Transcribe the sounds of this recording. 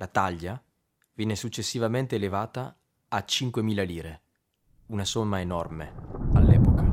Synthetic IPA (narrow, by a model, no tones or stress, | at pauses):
lʔat̪aʎːa | vɛːnesut͡ʃːesːivament̪eːlevaːt̪aː | t͡ʃiŋkwemiːlaliːɾe | unasɔmːaenɔrmealːɛːpoka